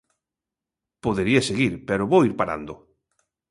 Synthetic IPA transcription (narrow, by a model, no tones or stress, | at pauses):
poðeɾieseɣiɾpeɾoβoiɾpaɾa̰nd̪o